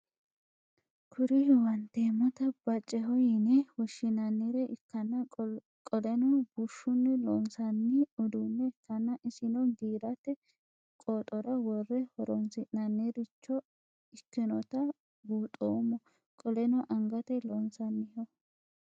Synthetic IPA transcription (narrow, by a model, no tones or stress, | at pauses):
kʰʊɾɪwɐnt̪ːeːmɔt̪ɐb̥ɐt͡ʃʼːɛɦɔjɪnɛwɔʃːɪnɐnːiɾɛʔɪkːɐnːɐ | kʼɔlɛnɔbuʃːʊnːɪlɔnsɐnːɪʊd̪unːɛɪkːɐnːɐʔɪsɪnɔɡiːɾɐt̪ɛ | kʼoːt̪ʼɔɾɐwɔrːɛhɔɾɔnsɪnɐnːeɾɪt͡ʃːɔ | ɪkːɪnɔt̪ɐ | buːt̪ʼoːmːɔ | kʼɔlɛnɔʔɐŋɡɐt̪ɛlɔnsɐnːɪhɔ